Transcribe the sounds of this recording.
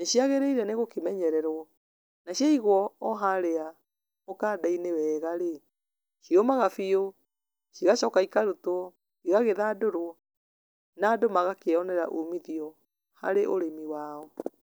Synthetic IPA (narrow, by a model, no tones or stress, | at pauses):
neʃiaɣeɾeiɾɛneɣokemɛɲɛɾɛɾwɔ | naʃjaiɣwɔɔɦaɾea | okaːdainewɛːɣaɾe | ʃiɔmaɣafio | ʃiɣaʃɔkaikaɾoto | iɣaɣeðaːdoɾoɔ | naːdomaɣakeɔnɛɾa̰ʔumiðiɔ | ha̰ɾeʔoɾemiwaːɔ